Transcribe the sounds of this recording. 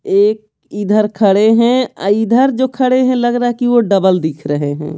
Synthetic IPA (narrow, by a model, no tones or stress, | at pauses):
eːk̚ | id̪ʱəɾkʰəɽeɦɛ̃a̰id̪ʱəɾd͡ʒokʰəɽeɦɛ̃ləɡɾəɦɛkiʋoɖəbəld̪ikʰɾəɦeɦɛ̰̃ː